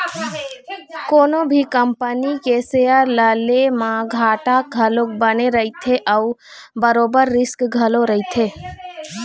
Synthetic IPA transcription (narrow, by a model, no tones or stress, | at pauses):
koːnobʱikəmpənikesejəɾləlemãɡʱaːʈaɡʱəlokbəneɾəit̪ʰeʔəu | bəɾoːbəɾːɪskɡʱəloɾəɦit̪ʰeː